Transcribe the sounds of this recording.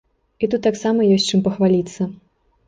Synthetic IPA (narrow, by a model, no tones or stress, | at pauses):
it̪ut̪ːaksamɐjɔsʲt͡ʂɨmpɐxvalʲit̪sːɐ